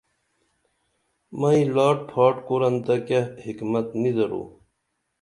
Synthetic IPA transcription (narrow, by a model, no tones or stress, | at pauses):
mɐĩlaːʈ̚pʰaːʈkoɾɐnt̪ɐkehikmɐt̪nid̪ɐɾo̰ː